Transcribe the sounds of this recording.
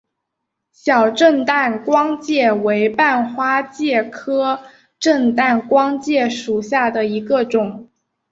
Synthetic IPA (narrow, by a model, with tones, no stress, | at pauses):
ɕjɑ˨˩ʊʈ͡ʂə˥˧nt̪a˥˩nkwɑ˥ŋt͡ɕjɛ˥˩we˧˥ɪpa˥˩nxwa˥t͡ɕjɛ˥˩kʰɤ˥ | ʈ͡ʂə˥˧ŋt̪a˥˩nkwɑ˥ŋt͡ɕjɛ˥˩ʂu˨˩ɕja˥˩d̪ə˩i˧˥ɡə˧ʈ͡ʂʊ˨˩˦ŋ